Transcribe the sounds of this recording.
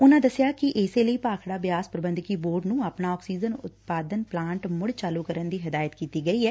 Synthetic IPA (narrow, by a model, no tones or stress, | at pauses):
ʊnãːd̪əsjaːkɪʔɪseləiːpaːkʰɽaːbjaːspɾəbə̃nd̪kiːboːɾɖnũːaːpnaːɔːksiːzənʊ̰t̪̚paːd̪ənplãːɳʈmʊɽt͡ʃaːluːkəɾənd̪iːɦɪd̪aːjət̪kiːt̪iːɡəiːɦɛː